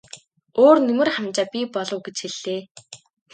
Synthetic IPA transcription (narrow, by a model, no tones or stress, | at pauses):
oːrnɵmɘ̆rχamt͡ɕaːpʲipɔɮʊ̆wɡet͡ɕxeɮ̥ːeː